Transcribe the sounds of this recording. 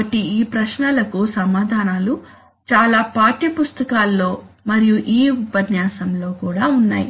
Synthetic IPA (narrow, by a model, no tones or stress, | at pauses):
ɐʈiiːpɾɐʃnɐlɐkusɐmaːd̪ʱaːnaːlu | t͡ʃaːlaːpaːʈipust̪ɐkaːlːo̞ːmɐɾijuʔiːupɐdnjaːsɐmlo̞ːkuːɽaːunːa̰ːjḭ